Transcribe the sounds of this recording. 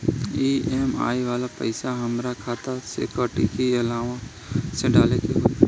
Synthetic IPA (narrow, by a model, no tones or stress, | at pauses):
iːʔeːma̰ːiʋaːlapə̰ɪsaɦɐmɾakʰaːt̪asḛːkəːʈikiɐlaːʋa | sẽɖaːlekeɦoː